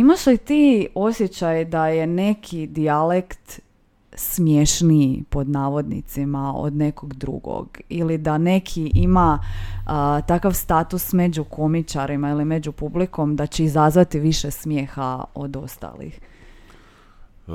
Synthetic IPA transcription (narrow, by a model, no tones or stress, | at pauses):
imaʃlit̪iːo̞sʲjet͡ɕajd̪aje̞ne̞kʰid̪ialekt̪ | smje̞ʃnipo̞d̪naːʋo̞d̪nḭt̪simao̰d̪ne̞ko̞ɡd̪ɾṵɡo̰ɡilid̪ane̞kʰiima | t̪akaʋst̪at̪usme̞d͡ʑukʰo̞mit͡ʃaɾimailime̞d͡ʑupubliko̞md̪at͡ɕeizazʋat̪iʋiʃesmje̞ːxao̞d̪o̞st̪a̰lḭx